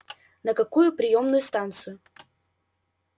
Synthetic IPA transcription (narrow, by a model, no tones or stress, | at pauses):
nəkɐkujʊpɾʲɪjomnʊjʊst̪ant̪sɨjʊ